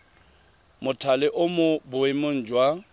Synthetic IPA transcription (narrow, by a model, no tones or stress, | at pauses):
mʊtʰalɪʔʊmʊbʊɪmʊn̩ːd͡ʒwa